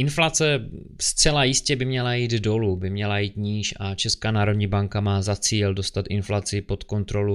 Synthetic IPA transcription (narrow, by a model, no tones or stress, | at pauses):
ʔɪnflat͡sɛ | st͡sɛlajɪscɛbɪmɲɛlajiːd̪do̞lubɪmɲɛlajiːt̪ɲiːʃat͡ʃɛskaːnaːɾo̞dɲiːbaŋkamaːzat͡siːldo̞st̪at̪ʔɪnflat͡sɪpo̞t̪ko̞nt̪ɾo̞lu